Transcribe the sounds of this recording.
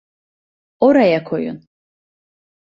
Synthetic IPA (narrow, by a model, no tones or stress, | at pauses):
oɾajakʰojṵn